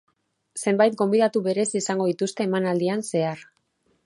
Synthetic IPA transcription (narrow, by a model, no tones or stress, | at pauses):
se̞mbajt̪̚ɡo̞mbiðat̪uβe̞ɾe̞sisaŋɡo̞ðit̪ust̪e̞ːmanald̪ianse̞aɾ